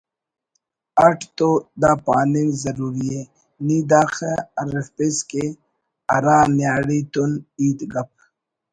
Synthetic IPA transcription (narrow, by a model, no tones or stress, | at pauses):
ɐʈʰt̪od̪aːpaːnimzɐɾuːɾie | niːd̪aːxeɐɾepeske | ɐɾaːnjaːɽit̪uniːt̪ɡɐp̚